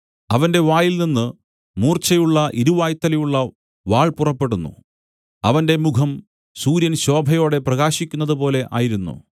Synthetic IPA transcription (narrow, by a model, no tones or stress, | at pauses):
ɐʋɐnde̞ʋaːjilninːɨ | muːrt͡ɕɐjuɭːɐʔiɾuʋaːjt̪ːɐlɐjuɭːɐ | ʋaːɭpurɐpːe̞ɽunːṵ | ɐʋɐnde̞mukʰɐm | suːɾjɐnɕo̞ːbʱɐjo̞ːɽe̞prɐɣaːɕikʲːunːɐðɨpo̞ːle̞ʔaːjiɾunːṵ